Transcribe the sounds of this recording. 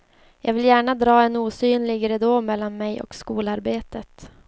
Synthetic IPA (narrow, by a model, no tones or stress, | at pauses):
jʔɑ̰ːɡvɪljæːɳad̪ɾɑːɛnuːsyːnlɪɡɾɛd̪oːmɛlːanmɛjʔɔ̰kskuːlaɾbeːt̪ət̪